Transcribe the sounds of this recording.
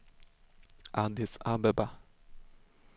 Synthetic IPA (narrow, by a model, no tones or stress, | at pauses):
and̪isambɛba